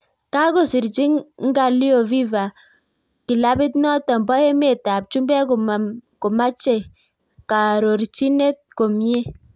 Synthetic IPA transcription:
ka˦ko˨sɪ˨ɾt͡ʃi˦ŋŋ˦ɡa˨li˦o˨vi˦va˨ | kɪ˨la˦bɪ˦t̬nɔ˦tɔ˨mbɔ˦e˦me˨ta˨p̚t͡ʃu˦mbɛ˦kko˨ma˦t͡ʃe˨ | ka˨ɾo˨ɾt͡ʃi˦ne˦t̚ko˨mje˦

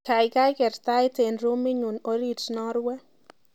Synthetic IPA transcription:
ka˨jka˦jkɛ˨ɾt̪a˦jte˨nɾu˦mi˦ɲu˨no˨˦ɾi˦t͡ʃnɔ˦ɾwɛ˦

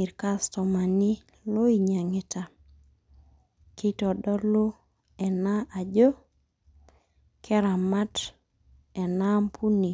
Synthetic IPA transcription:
i˨ɾka˦stɔ˨ma˨ni˦ | lo˦i˦ɲa˨ŋɛ˦ta˨ | ki˦tɔ˨dɔ˦lo˦ | ɛ˨na˦ʔa˨d͡ʒo˦ | kʰɛ˦ɾa˨ma˦t | ɛ˨na˦mpʰu˦ni˨

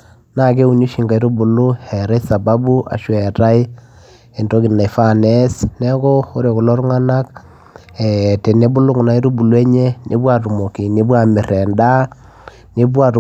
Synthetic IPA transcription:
na˦˨ke˦u˨ɲu˦ʃi˨ŋɡa˨˦ɾu˦bʊ˨lʊ˦hɛ˨ɾa˦jsa˨ba˦bu˦a̰˨ʃwɛ˨ɾa˦i˦ | e˨ndo˦ki˨n˨na˨fa˦˨ne˦snɛ˦kɔ˦o˦ɾe˨kʊ˨lɔ˦ɾu˦ŋa˦na˦k | ɛ˨te˨ne˦bʊ˦lʊ˦kna˦i˦ɾu˦bu˨lwe˦ɲe˦nʔe˨˦bwa˨ɾu˨mo˨ki˨ne˨˦bwa˦˨mɪ˨ɾɛ˨nda˦ | ne˦bwa˨ɾ

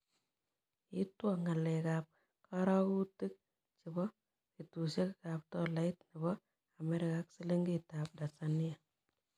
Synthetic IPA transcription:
ji˦twa˨ŋa˨le˨ka˨p̚ | kʰa˦ɾa˦ku˦ti˦k̚ | t͡ʃɪ˨bɔ˦ | ki˨tu˨ʃe˦kka˨p̚tɔ˦la˦i˦tnɪ˨bɔ˦ | a˨me˦ɾɪ˨ka˨˦ksi˦le˦ŋɡi˦taː˨p̚da˨sa˨ni˦a˨

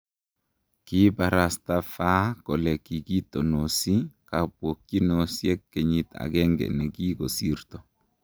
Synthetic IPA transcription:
ki˦ba˨ɾa˨sta˦fa˦kɔ˨lɛ˨ki˨ki˦to˨no˨si˦ka˨pwo˨k̚t͡ʃi˦no˨sjɛ˦kːe˨ɲi˦ta̰˨kɛ˦ŋɡɛ̰˨nɛ˨ki˦ɡo˨si˦rtɔ˨

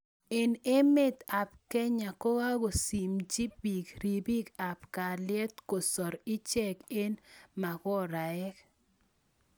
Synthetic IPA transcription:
e˨ne˦me˦˨t̪a˨p̚kɛ˦ɲa˨ko˦wa˦ɡo˨si˨md͡ʒi˦bi˨kɾi˨bi˦ka˨pka˨lɪɛ˦t̪ko˨sɔ˨ɾɪ˦t͡ʃɛ˦ke˦nma˨kɔ˦ɾa˨ɛ˦k

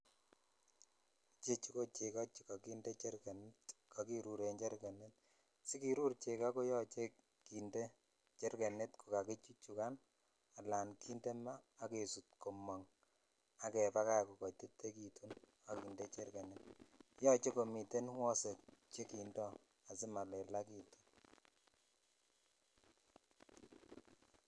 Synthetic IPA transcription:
t͡ʃe˦t͡ʃi˦ko˦t͡ʃe˨ka˦t͡ʃi̥˨ka˨ki˦nde˦t͡ʃe˦ɾke˨ntkʰa˨ki˦ɾu˨ɾe˨nt͡ʃe˦ɾke˨nɛ˦t̚ | si˦ki˨ɾu˦ɾt͡ʃe˨ka˦ko˦jɔ˦t͡ʃe˦ | ki˨nde˦ | t͡ʃe˦ɾke˨ne˦tku˨ka˨ke˦t͡ʃi˦t͡ʃu˨ka˦n | a˨la˨nkʰi˦nde˦maː˦ke˨su˨t̚ko˨mɔ˨ŋ | a˨kɛ˨pa˦ka˦ku˨kɔ˨te˦tːe˦ki˨tʰu˦n | a˨ki˨nde˦t͡ʃe˦rke˨ne˦t̚jɔ˦t͡ʃe˦ko˨mi˨te˦nwɔ˦se˨k̚t͡ʃe˦ki˨ndɔ˦ | a˨sɪ˦ma˨lɛ˨la˦ki˨tu̥˦n

